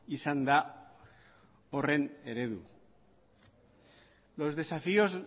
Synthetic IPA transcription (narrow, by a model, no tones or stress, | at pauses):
isand̪a | o̞re̞ne̞ɾe̞ðu | lo̞zðe̞safio̞z